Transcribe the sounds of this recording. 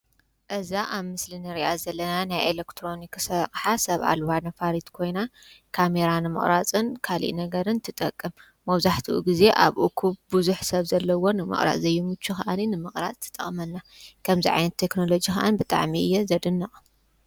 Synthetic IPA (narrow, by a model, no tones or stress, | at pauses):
ʔɨzaʔaβmɨslinɨɾiʔazɐlːɐnanajʔelekt̪ʰɾo̞niksɐχʼħasɐβa̰lwanɐfaɾit̪kʰo̞jna | kʰame̞ɾanɨmɨ̰χʼɾat͡sʼɨnkʰalḭʔnɐɡɐɾɨnt̪ʰɨt̪ʼɐkʼːɨmː | ɐβzaħt̪ʰiʔuɡize̞ʔaβʔukʰuβbuzuħsɐβzɐlːɐwo̞nɨmɨ̰χʼɾa̰ʔʼzɐjːɛmut͡ʃʰːuxaʔaninɨmɨχʼɾat͡sʼt̪ʰɨ̥t̪ʼɐχʼmɐnːa | kʰɐmziʕa̰jnɐt̪ʰːe̞kno̞lo̞d͡ʒixaʔa̰nbɨt̪ʼa̰ʕmiɨ̰jːɛzɐd̪ɨnːɐ